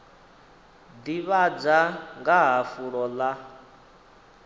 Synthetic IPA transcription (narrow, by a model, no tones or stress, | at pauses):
d̪iβad͡zaŋɡaɦafuɺɔla